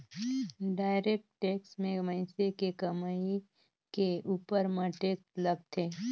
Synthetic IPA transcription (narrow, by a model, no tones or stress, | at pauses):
ɖaːɪɾeːk̚ʈʈeːksmẽməɪ̃sekekəmai | keuːpəɾmãʈeːksləɡ̚t̪ʰeː